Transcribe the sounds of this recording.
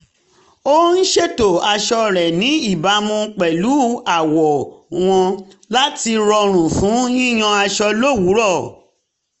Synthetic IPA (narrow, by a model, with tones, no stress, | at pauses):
o˦n̩˦ʃe˦to˨a˧ʃɔ˧ɾɛ˨nĩ˨˦i˦˨ba˨˦mũ˧k͡pɛ˨lu˨˦a˨wɔ˨w̃ɔ̃˧ | la˦ti˧ɾɔ˧ɾ̃ũ˨fũ˨˦ĩ˦j̃ɔ̃˧a˧ʃɔ˧lo˦˨wu˨˦ɾɔ˦˨